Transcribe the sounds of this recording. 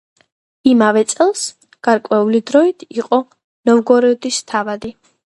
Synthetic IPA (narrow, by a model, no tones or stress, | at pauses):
imavɛt̪sʼɛlˠs | ɡ̥aɾkʼwɛulid̪ɾɔit̪ʰiqʼɔ | nɔvɡɔɾɛɔd̪ist̪ʰavad̪i